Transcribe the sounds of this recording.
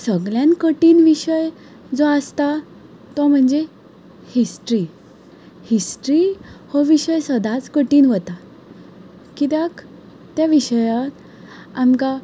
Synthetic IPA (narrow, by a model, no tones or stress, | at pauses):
səɡljankəʈiːnʋiɕəj | d͡zoəst̪a | t̪ɔm̤əɳd͡ze | hisʈɾiː | hisʈɾihɔʋiɕəjsəd̪ʱat͡skəʈiːnʋət̪a | kit̪ak | t̪jaʋiɕəja | amka